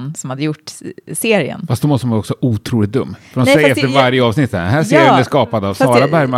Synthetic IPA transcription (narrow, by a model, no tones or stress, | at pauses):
nsɔmhad̪ːəjʊʈːseːɾɪə̰nfast̪d̪ɔmɔst̪əmnvɾɔksɔɑːʔuːt̪ʰɾuːlɪt̪̚d̪ɵmːfœɾɔnsɛjɾɛft̪əɾvaɾjəɑːvsnɪt̪ːɛ̰d̪ɛɦæːseːɾjənæskɑːpad̪avsɑːɾabæɾma